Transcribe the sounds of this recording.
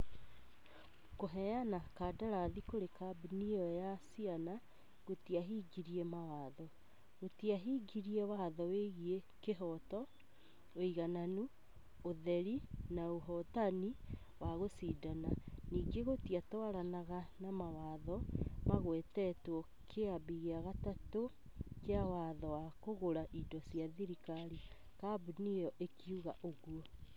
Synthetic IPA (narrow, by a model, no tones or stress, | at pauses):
koɦɛjanakaːdaɾaðikoɾekabiniɔjasiana | ɣotiaɦiɡiɾiemawaːðɔ | ɣotiaɦiːɡiɾiɛwaðɔweɣiekeɦɔtɔ | oiɣananu | oðɛɾinaoɦɔtani | waɣosidananiːɡeɣotiatwaɾanaɣanamawaːðɔmaɣwɛtɛtwɔ | kʰeabiɣeaɣatato | keawaðɔwakoɣoɾaʔidɔsiaðiɾikaɾi | kabuniɔʔekiuɣaʔoɣuɔ